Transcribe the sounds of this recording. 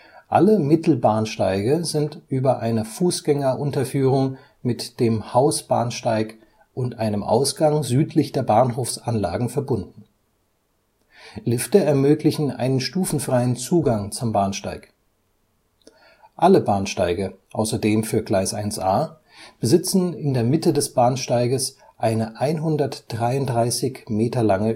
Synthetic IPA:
ʔaləmɪtl̩baːnʃtaɪɡəzɪntʔyːbɐʔaɪnəfuːsɡ̥ɛŋɐʔʊntɐfyːʁ̞ʊŋ | mɪtd̥eːmhaʊsb̥aːnʃtaɪk | ʔʊntʔaɪnəmʔa̰ʊsɡ̥aŋzyːtʰlɪçd̥eːɐbaːnɦoːfsʔanla̰ːɡŋ̩fɛɐbʊndn̩ | lɪftəɛɐmøːklɪçn̩ʔa̰ɪnənʃtuːfn̩fʁ̥aɪənt͡suːɡaŋt͡sʊmbaːnʃta̰ɪk | ʔaləbaːnʃta̰ɪɡəʔaʊsɐdeːmfyːɐɡlaɪsʔaɪnsʔaː | b̥əzɪt͡sn̩ɪndeːɐmɪtədɛsb̥aːnʃtaɪɡəs | ʔaɪnəʔaɪnɦʊndɐtd̥ʁaɪʊntdʁaɪsɪçmeːtɐlaŋə

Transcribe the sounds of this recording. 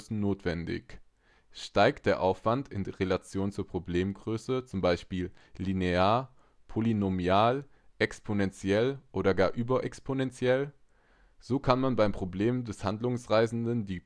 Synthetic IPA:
sn̩noːtv̥ɛndɪ̰ç | ʃtaɪkt̚d̥eːɐʔaʊfv̥antɪndiʁelat͡sjoːnt͡suːɐpʁ̥obleːmɡʁøːsət͡sʊmbaɪʃpiːllːineaːɐ | pʰolinomjaːl | ʔɛkspʰonɛnt͡sjɛlʔoːdɐɡaːɐʔyːbɐʔɛkspʰonɛnt͡sjɛl | z̥oːkʰanmanbaɪmpʁ̥obleːmdɛshandlʊŋsʁaɪzn̩dəndiː

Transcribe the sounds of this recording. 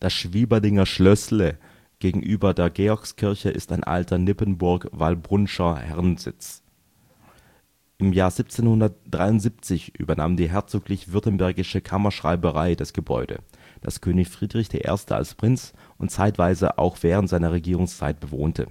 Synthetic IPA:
d̥asʃv̥iːbɐlɪŋɐʃlœslə | ɡ̥eːɡŋ̩ʔyːbɐdeːɐɡeːɔɐkskʰɪɐçəʔɪstaɪnʔa̰ltʰɐnɪpənbʊɐkva̰lbʁʊnʃɐhɛʁnzɪ̰t͡s | ʔɪmjaːɐzip̚t͡seːnhʊndɐtd̥ʁaɪʊntz̥iːp̚t͡sɪçʔy̰ːbɐnaːmdiːɦɛɐt͡soːklɪçv̥ʏɐtənbɛɐɡɪʃəkʰamɐʃʁ̥a̰ɪbəʁaɪd̥asɡ̥əbɔ̰ʏdə̰ | d̥a̰skʰøːnɪçfʁ̥iːdʁɪçd̥ḛːɐʔḛːɐstʰə̰a̰lspʁ̥ɪnt͡s | ʔʊntt͡saɪtv̥aɪzə̰ʔa̰ʊxv̥ɛːʁ̞əntz̥aɪnɐʁ̞eɡiːʁʊŋst͡sa̰ɪt̚b̥əvo̰ːntʰə̰

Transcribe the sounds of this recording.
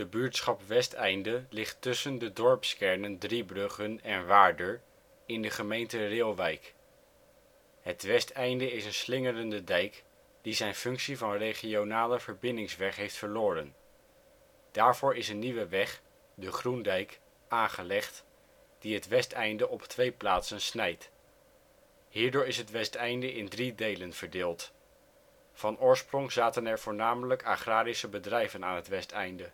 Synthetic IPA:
d̥əbyːɹtsχɑpʋɛstɛjndəlɪχtːɵsəndədɔɹpskɛɹnəndribrɵχənɛnʋaːɹdəɹ | ɪndəχəmejntərɪːlˠʋɛjk | ɦətʋɛstɛjndəɪsənslɪŋərəndədɛjk | d̥izɛjnfɵŋksivɑnrejχionaːləvəɹbɪndɪŋsʋɛχɦejftfəɹloːɾən | d̥aːɹv̥ʊːɹɪsənːiʋəʋɛχ | dəχrundɛjk | aːnχəlɛχt | d̥iɦətʋɛstɛjndəʔɔptʋejplaːtsənsnɛjt | ɦiːɹdʊːɹɪsɦətʋɛstɛjndəʔɪndridejlənv̥əɹdɪːlˠt | fɑnʊːɹsprɔŋz̥aːtənɛɹv̥ʊːɹnaːmələka̰χraːɾisəbədrɛjvənaːnɦətʋɛstɛjndə

